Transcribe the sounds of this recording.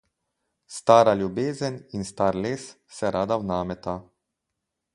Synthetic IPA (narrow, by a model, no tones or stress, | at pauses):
st̪aːɾalʲjubeːzəninst̪aːɾleːs | sɛɾaːd̪awnaːmɛt̪a